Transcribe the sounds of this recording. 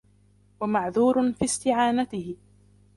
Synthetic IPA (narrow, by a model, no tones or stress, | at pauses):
wamaʕðuːɾʊfiːst̪ɪʕaːnat̪ɪhɪ